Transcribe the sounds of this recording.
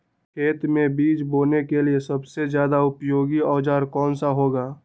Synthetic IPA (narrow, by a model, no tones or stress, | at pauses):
kʰeːt̪mẽbiːd͡ʒboːnekeliesəbsed͡ʒjaːd̪aʊpjoːɡiɔːd͡ʒaːɾkɔːnsaɦoːɡaː